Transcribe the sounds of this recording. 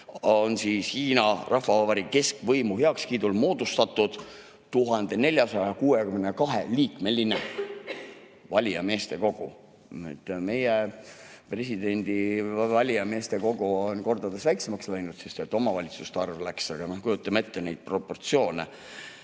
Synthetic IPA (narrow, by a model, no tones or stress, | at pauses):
onsiːshiːnɑrɑhvɑvɑbɑɾike̞skvɤjmuɦeɑkskiːd̪̥ulmo̞ːd̪̥ust̪ɑt̪ːˑud̪̥ | t̪uɦɑnd̪̥e̞ne̞lʲjɑsɑjɑkuːekymnekɑɦḛliːkme̞line | vɑlʲiɑme̞ːst̪e̞ko̞ɡ̥u | ḛt̪ːme̞je | pre̞sid̪e̞nʲd̪̥ivɑlʲijɑme̞ːst̪e̞ko̞ɡ̥uonko̞rd̪̥ɑd̪esvæjksemɑkslæjnud̪̥sest̪et̪ːˑo̞mɑvɑlʲit̪su̥st̪ɑrvlæksɑɡ̥ɑnɑkujut̪ːˑɑme̞t̪ːenejd̪̥̚pro̞po̞rt̪sio̞ːnḛ